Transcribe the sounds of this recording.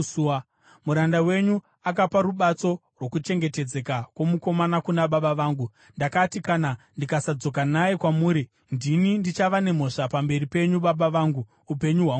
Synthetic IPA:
muɾandawe̞ɲu | akapaɾuɓat͡so̞ | rwo̞kut͡ʃe̞ŋɡe̞te̞d͡ze̞kakwo̞muko̞manakunaɓaɓaʋaːŋɡu | ndakatikanandikasad͡zo̞k̬anajekwamuːɾi | ndinindit͡ʃaʋane̞mo̞ʂapambe̞ripe̞ɲuɓaɓaʋaːŋɡuː | pe̞ɲuɦwa

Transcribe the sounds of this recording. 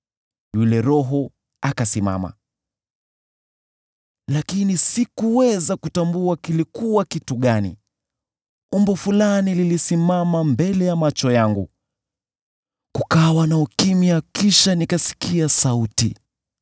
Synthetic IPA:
julɛɾɔɦɔ | akasima̰ma̰ | lakinisikuwɛzakutambuakilikuwakituɠanḭ | umbɔfulanililisimamambɛlɛjamat͡ʃɔjaŋɡṵ | kukawanaukimiakiʃanikasi̥kiasautḭ

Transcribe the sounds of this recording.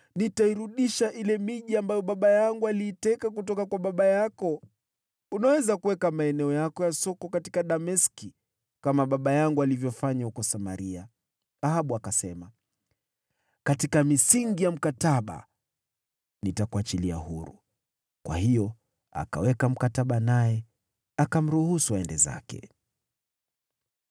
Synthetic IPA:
nitaiɾuɗiʃaʔilɛmiʄiambajɔɓaɓajaŋɡualiːtɛkak̬utɔkakwaɓaɓajakɔ | unawɛzakuwɛkamaɛnɛɔjakɔjasɔkɔkatikaɗamɛski | kamaɓaɓajaŋɡualivjɔfaɲahukɔsama̰ɾia | ahaɓuakasɛma | katikamisiŋɡijam̩kataɓa̰ | nitakuat͡ʃilia̰hṵɾṵ | kwa̰hijɔ | a̰ka̰wɛkam̩kataɓanajɛ | akam̩ɾuhusuaɛndɛza̰kɛ̰

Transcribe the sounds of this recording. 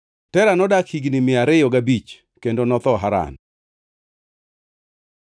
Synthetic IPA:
tɛɾanɔdakhiɡnɪmɪaɾɪjɔɡabit͡ʃ | kendonɔt̪ɔɦaɾa̰n

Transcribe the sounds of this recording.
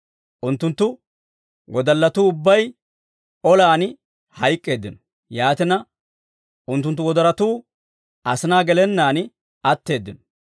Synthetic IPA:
ʔʊnt̪ːʊnt̪ːʊ | wɔd̪ɐlːɐt̪uːʊbːɐj | ɔlaːn | hɐjkʼːe̞ːd̪ːɪnɔ̥ | jaːt̪ɪnɐ | ʔʊnt̪ːʊnt̪ːʊwɔd̪ɐɾɐt̪uː | ʔɐsɪnaːɡɛlɛnːaːn | ɐt̪ːe̞ːd̪ːɪnɔ̥

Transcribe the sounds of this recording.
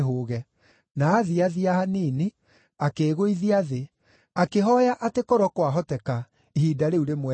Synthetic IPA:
ɦoːɣɛ | naːðiaðiahanini | akeːɣoiðiaðe | akeɦɔjaʔatekɔɾɔkwaɦɔtɛka | ihiːdaɾeuɾemwɛ

